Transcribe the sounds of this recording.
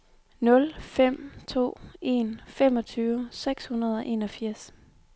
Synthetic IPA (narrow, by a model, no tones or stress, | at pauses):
nɔ̽lfem̰t͡sʰo̝̰ːe̝ːnfem̰ɒ̽t͡sʰyːʊseɡ̥shunɐð̞ˠɒ̽ʔe̝ːnɒ̽fiɐ̰s